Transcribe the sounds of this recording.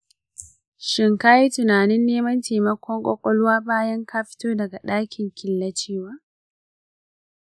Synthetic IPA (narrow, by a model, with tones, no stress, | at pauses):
ʃɪ˨ŋka˦ji˦tʊ˨naː˨nɪ˦nːeː˦mɐ˦nteː˨mɐ˦kʷɔ˦ŋkʷʼɔ˦kʷʼɔ˦lwaː˦baː˦jɐ˦ŋkaː˦ɸɪ̥˦toː˦dɐ˨ɡa˨ɗaː˦kʲʰɪ˨ŋkʲɪ˨lːɐ˦t͡ʃeː˦waː˨